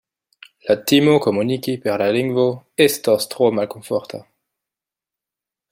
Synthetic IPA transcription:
lat̪imokomunikipɛʁlaliŋɡvoɛst̪ɔst̪ʁomalkõfɔʁt̪a

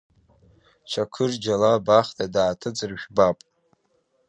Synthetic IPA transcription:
t͡ʃʷʰakʰɨrd͡ʒalabaχtʰʼadaːtʰɨd͡zɨrʒᶣbapʼ

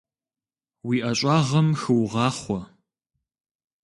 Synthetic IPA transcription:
wiːʔɐɕʼɑːʁɐmxɨwʁɑːχʷɔ

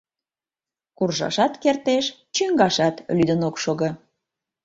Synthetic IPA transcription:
kurʒɑ̰ʃɑt̪kert̪eʃt͡ɕyŋɡɑʃɑt̪lyd̪ənokʃoɣə

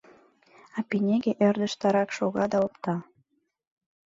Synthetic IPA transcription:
ɑpinʲeɣeʔerd̪ə̆ʃt̪ɑɾɑkʃoɣɑd̪ɑopt̪ɑ

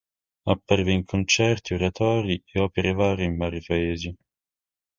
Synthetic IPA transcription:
apːaɾiveiŋkʰont͡ʃɛrt̪ioɾat̪ɔːɾieɔːpeɾevaːɾeiɱvaːɾipaeːzi

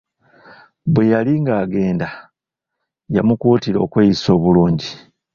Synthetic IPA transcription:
βwe̞jaliŋɡaːɡe̞ːnda | jamukuːtiɾo̞̰ːkweːjiso̞ːβuluːɲɟi

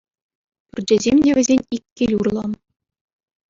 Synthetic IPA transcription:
pʲyrʲd͡ʑɘ̆zʲemʲdʲeʋʲɘ̆zʲenʲikʲːilʲurlˠɑn

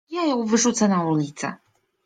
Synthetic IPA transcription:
jajɔwvɨʐut̪sanaulʲit̪sɛ̰

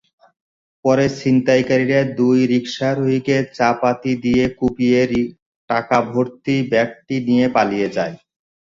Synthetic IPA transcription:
pɔɾesint̪ajkaɾiɾaed̪ujɾikʃaɾoɦiket͡ɕapat̪id̪ijekupieɾ | ʈakabʱoɾt̪ibɛk̚ʈinijepalijed͡ʑae

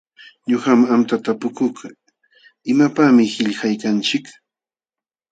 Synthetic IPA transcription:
ɲohamamt̪at̪apʊkʊka | ɪmapamɪhɪʎxajkant͡ʃɪk

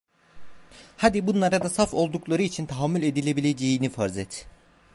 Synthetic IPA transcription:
had̪ibunlˠaɾad̪asafo̞lˠd̪uklˠaɾɯit͡ʃʰint̪ʰaɦamːulʲe̞d̪ilʲe̞bilʲe̞d͡ʒejinifaɾzɛt̪

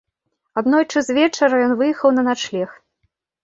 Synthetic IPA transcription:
ad̪nɔjt͡ʂɨzvʲɛt͡ʂɐɾɐjɔnvɨjɛxɐwnɐnat͡ʂlʲɛxt̪

